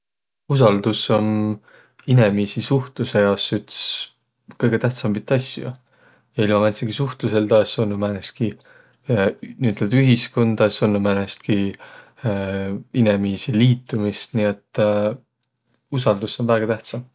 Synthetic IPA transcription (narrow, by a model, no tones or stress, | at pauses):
usɑld̪̥uso̞n | ine̞miːsisuht̪luse̞jɑsyt̪s | kɤjɡ̥e̞t̪æht̪sɑmbit̪ːˑɑsʲjṵ | jɑilmɑmet̪seɡ̥isuht̪luse̞ld̪ɑsonːomænest̪̚ki | niyt̪ːˑeld̪yɦisko̞nd̪̥ɑsonːomænest̪̚ki | inemiːsiliːt̪ːˑumist̪niet̪ːˑ | usɑld̪̥uso̞nvæːɡ̥ɑt̪æht̪sɑm